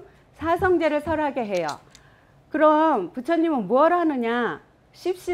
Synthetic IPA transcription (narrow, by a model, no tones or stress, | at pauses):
sʰasʰʌŋd͡ʑeɾɯɭsʰʌɾɦaɡe̞ɦe̞jo̰ | kɯɾʌmput͡ɕʰʌɲimɯnmuʌɾɦanɯɲa | ɕʰip̚ɕ͈i